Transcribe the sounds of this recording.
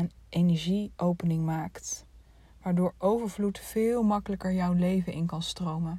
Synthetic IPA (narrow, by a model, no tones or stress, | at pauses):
ən | ʔejnɛɹʒiʔowpənɪŋmaːkt | ʋaːɹdʊːɹowvəɹvlutfɪːlˠmɑkələkəɹjʌwlejvənʔɪnkɑnstrowmən